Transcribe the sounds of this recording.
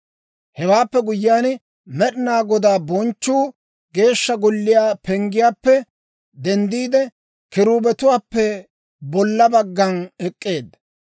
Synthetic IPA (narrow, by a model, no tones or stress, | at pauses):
hɛwaːpːɛɡʊjɪjaːn | mɛɗɪnaːɡɔd̪aːbɔnt͡ʃːuː | ɡe̞ːʃːɐɡɔlːɪjaːpɛŋɡɪjaːpːɛ | d̪ɛnd̪iːd̪ɛ | kɪɾuːbɛt̪ʊwaːpːɛ | bɔlːɐbɐɡːɐnɛkʼːeːd̪ɐ